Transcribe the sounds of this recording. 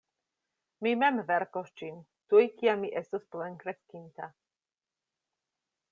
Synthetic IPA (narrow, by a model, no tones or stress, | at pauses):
mimɛmvɛɾkoʃt͡ʃin | t̪ujkiamiʔest̪usplenkɾeskint̪a